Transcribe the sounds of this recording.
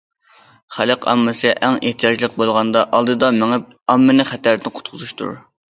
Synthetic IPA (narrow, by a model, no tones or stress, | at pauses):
χælɨqʰɑ̰mːɨsɨʔæŋeht̪ʰijɑd͡ʒlˠəq̚bolˠʁɑnd̪ɑʔɑlˠd̪ɨd̪ɑmɪŋɪp̚ | ɑmːɨnɨχæt̪æɾd̪ɪnqʰʊ̥t̪̚qʰʊzuʃt̪ʰṵɾ